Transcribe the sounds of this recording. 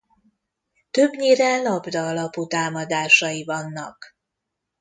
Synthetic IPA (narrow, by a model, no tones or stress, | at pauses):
t̪øbɲeːrɛlɒbd̪ɒːlɒput̪aːmɒd̪aːʃɒjivɒnːɒ̰k